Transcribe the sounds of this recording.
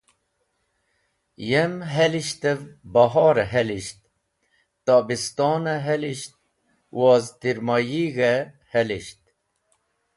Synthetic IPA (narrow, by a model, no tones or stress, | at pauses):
jemɦɛliʃt̪əvbɑɦɑːɾɛɦɛliʃt̪̚ | t̪ɑbist̪ɑːnəɦɛliʃt̪̚ | wɑːzt̪iɾmɑjiːɣe | hɛliʃt̪̚